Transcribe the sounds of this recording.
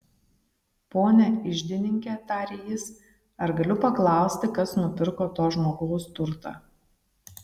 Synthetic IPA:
poːnʲɛɪʒʲd̪ʲɪnʲɪŋʲkʲɛːt̪ɑːɾʲejɪs | ɐɾɡɐlʲʊpɐklˠɑˑʊsʲt̪ʲɪkɐsnʊpʲɪɾkoːt̪oːʒmoːɡoʊst̪ʊɾt̪ɑ̰ː

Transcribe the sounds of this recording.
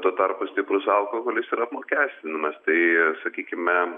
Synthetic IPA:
t̪uɔt̪ɐrpʊsʲt̪ʲɪpɾʊsɐlˠkohoːlʲɪsiːɾɐpmoːkʲæːsʲt̪ʲɪnɐmɐst̪ɐɪsɐkʲiːkʲɪmʲɛ

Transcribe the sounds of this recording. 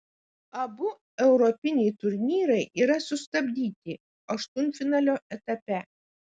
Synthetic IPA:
ɐbʊ | ɛʊɾɔpʲɪnʲɛɪt̪ʊɾʲnʲiːɾɐɪʔiːɾɐsʊst̪ɐbʲd̪ʲiːt̪ʲɪ | ɐʃt̪ʊnʲfʲɪnɑːlʲoːʔɛt̪ɐpʲɛ

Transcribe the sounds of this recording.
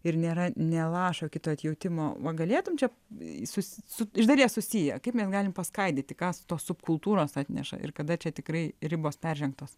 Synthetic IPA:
ɪrnʲeːɾɐnʲɛlˠɑːʃoːkʲɪt̪oːɐt̪ʲjɛʊt̪ʲɪmoːʋɐɡɐlʲeːt̪ʊmt͡ʃʲɛ | sʊsʲsʊɪʒd̪ɐlʲiɛsʊsʲijɛ̰kɐɪpmʲɛsɡɑːlʲɪmpɐskɐɪd̪ʲeːt̪ʲɪkɑːsʊ̥t̪oːssʊpkʊlˠt̪uːɾoːsɑːt̪ʲnʲɛ̰ʃɐ̰ʔɪ̰rkɐd̪ɐt͡ʃʲɛt̪ʲɪkrɐɪɾʲɪboːspʲɛrʲʒʲɛŋk̚t̪oːs

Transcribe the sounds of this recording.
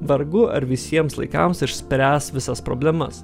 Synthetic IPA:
ʋɐɾɡʊɐ̰ɾʋʲɪsʲiɛmslˠɐ̰ɪkɐ̰msɪʃʲsʲpʲɾʲæːsʋʲɪsɐspɾo̰ːbʲlʲɛmɐ̰s

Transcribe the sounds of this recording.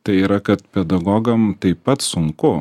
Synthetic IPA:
t̪ɐɪiːɾɐkɐt̪pʲɛd̪ɐɡɔɡɐmt̪ɐɪpːpɐt̪sʊŋkʊ

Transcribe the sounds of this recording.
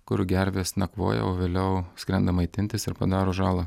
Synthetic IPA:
kʊɾʲʊɡʲæɾʲʋʲeːsnʲɛkʋo̰ːjɛ̰oːʋʲeːlʲɛʊsʲkɾʲɛnd̪ɐmɐɪt̪ʲɪnʲt̪ʲɪsɪɾpɐ̰d̪ɑːɾoːʒɑːlˠɐ

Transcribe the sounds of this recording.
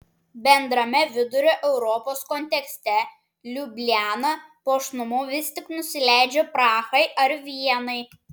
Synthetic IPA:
bʲɛnd̪ɾɐmʲɛʋʲɪd̪ʊɾʲoːʔɛʊɾɔpoːskɔnʲt̪ʲɛksʲt̪ʲɛ | lʲʊbʲlʲæːnɐpoːʃnʊmʊʋʲɪsʲt̪ʲɪknʊsʲɪlʲæˑɪd͡ʒʲoːpɾɑːxɐɪʔɐɾʋʲiɛnɐɪ

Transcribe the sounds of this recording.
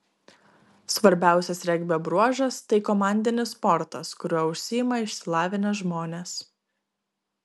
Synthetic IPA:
sʋɐɾʲbʲæˑʊsʲɛsɾʲɛɡʲbʲɛbɾuɔʒɐst̪ɐɪkɔmɑˑnʲd̪ʲɪnʲɪspɔɾt̪ɐskʊɾʲuːʊʃʲsʲɪːjɪmɐɪʃʲsʲɪlˠɑːʋʲɪnʲɛʒmoːnʲeːs

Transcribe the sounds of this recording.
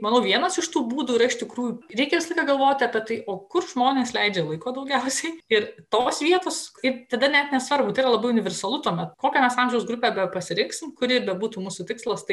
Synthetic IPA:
mɐnɐʊʋʲiɛnɐsɪʃt̪uːbuːd̪uːɪɾɐɪʃt̪ʲɪkɾuːjuɾʲɛɪkʲɛʋʲɪsɐlˠɐɪkɐɡɐlˠʋoːt̪ʲɪɐpʲɛt̪ɐɪʔoːkʊrʒmoːnʲeːslʲɛɪd͡ʒʲeːlˠɐɪkoːd̪ɐʊɡʲɛʊsʲɛɪɪrt̪oːsʋʲiɛt̪oːsɪt̪ɐd̪ɐnʲɛt̪nʲɛsʋɐrbʊt̪ɐɪiːɾɐlˠɐbɐɪʊnʲɪʋʲɛrsɐlˠʊt̪uɔmʲɛt̪koːkʲɛmʲɛsɑmʲʒʲɛʊsɡɾʊpʲeːbʲɛpɐsʲɪɾʲɪŋksʲɪmkʊɾʲɪɾbʲɛbuːt̪uːmuːsut̪ʲɪkslˠɐst̪ɐɪ

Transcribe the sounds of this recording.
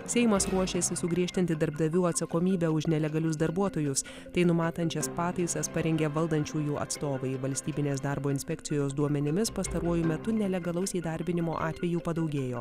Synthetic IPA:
sʲɛɪmɐsɾuɔʃʲeːsʲɪsʊɡɾʲiɛʃʲt̪ʲɪnʲt̪ʲɪd̪ɐɾb̚d̪ɐʋʲuːɐt̪sɐkoːmʲiːbʲæʊʃnʲɛlʲɛɡɐlʲʊsd̪ɐɾbuɔt̪oːjʊs | t̪ɐɪnʊmɑːt̪ɐnʲt͡ʃʲɛspɑːt̪ɐɪsɐspɐɾʲɛŋʲɡʲeʋɐlˠd̪ɐnʲt͡ʃʲuːjuːɐ̰t̪st̪oːʋɐɪʋɐlʲsʲt̪ʲiːbʲɪnʲeːsd̪ɑːɾboːɪnʲsʲpʲɛkt̪sʲɪjoːsd̪uɔmʲɛnʲɪmʲɪspɐst̪ɐɾuɔjʊmʲɛt̪ʊnʲɛlʲɛɡɐlˠɐʊsʲɛiːd̪ɐɾʲbʲɪnʲɪmo̰ːʔɑːt̪ʲʋʲɛjuːpɐd̪ɐʊɡʲeːjoː

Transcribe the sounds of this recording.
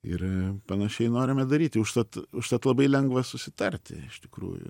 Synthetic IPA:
ɪ̰rpɐnɐʃʲɛɪnoːɾʲɪmʲɛd̪ɐɾʲiːt̪ʲɪʊʃt̪ɐt̪ʊʃt̪ɐt̪lˠɐbɐɪlʲɛŋɡʋɐsʊsʲɪt̪ɐrʲt̪ʲɪ̰ɪʃt̪ʲɪkɾṵːjʊ̰

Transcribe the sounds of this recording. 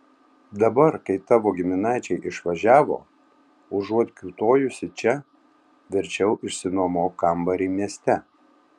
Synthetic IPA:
d̪ɐbɐɾkɐɪt̪ɑːʋoːɡʲɪmʲɪnɑˑɪt͡ʃʲɛɪʔɪʃʋɐʒʲæːʋo̰ː | ʊʒuɔt̪ʲkʲuːt̪oːjʊsʲɪt͡ʃʲɛ | ʋʲɪɾʲt͡ʃʲɛʊʔɪʃsʲɪnoːmoːkɐmbɐɾʲiːmʲiɛsʲt̪ʲɛ

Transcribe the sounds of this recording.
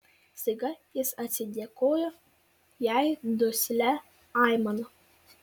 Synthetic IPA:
sʲɪɡɐjɪsɐt̪ʲsʲɪd̪ʲeɛkoːjo | jæɪd̪ʊsʲlʲɛ | ɑˑɪmɐno

